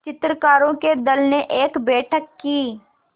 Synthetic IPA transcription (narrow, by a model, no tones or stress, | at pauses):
t͡ʃɪt̪ɾəkaːɾõked̪ɐlneʔeːkbɛːʈʰəkːiː